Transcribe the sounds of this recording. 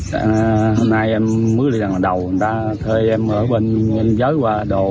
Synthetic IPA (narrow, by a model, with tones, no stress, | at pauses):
ɦo˧mnaː˧jʔɛ˧mːɨ˦˥k̚ɗi˧za˨˩ŋaː˨˩ɗə˨˩wt̪aː˧ | t̪ʰəː˧jʔɛ˧mʔəː˧˩ɓe˧nə˧mzəː˨˦jkwaː˧ɗo˨˩